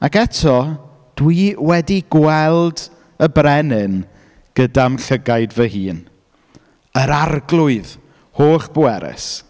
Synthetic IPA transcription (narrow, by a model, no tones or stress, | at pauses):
akɛtʰɔ | d̥wiwɛdiɡwɛlˠd | əbrɛnɨn | ɡ̥ədamɬəɡajdvəhiːn | əɾarɡlˠʊɨð | hoːχb̥əwɛɾɛ̰s